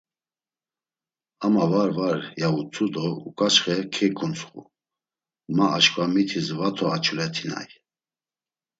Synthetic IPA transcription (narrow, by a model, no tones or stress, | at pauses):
amavaɾvaɾjaut͡sʰʼud̪ɔṵkʼat͡ʃχɛkʰɛkʰunt͡sʰχṵ | maaʃkʼvamit̪ʰizvat̪ʰɔat͡ʃʰulɛt̪ʰina̰j